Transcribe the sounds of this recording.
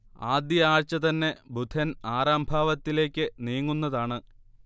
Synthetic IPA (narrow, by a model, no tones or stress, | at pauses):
aːd̪jɐaːɻt͡ɕːɐt̪ɐnːe̞bʱud̪ʰʱɐnaːɾaːmbʱaːʋɐt̪ːile̞ːkʲːɨniːŋːunːɐðaːɳɨ